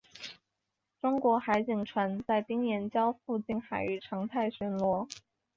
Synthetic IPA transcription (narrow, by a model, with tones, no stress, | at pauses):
ʈ͡ʂʊ˥ŋkwɔ˧˥xa˧˥ɪt͡ɕi˨˩ŋʈ͡ʂʰwa˧˥nt͡sa˥˩ɪt̪i˥ŋjjɛ˧˥nt͡ɕjɑ˥ʊfu˥˧t͡ɕi˥˩nxa˨˩ɪy˥˩ʈ͡ʂʰɑ˧˥ŋt̪ʰa˥˩ɪɕɥɛ˧˥nlwɔ˧˥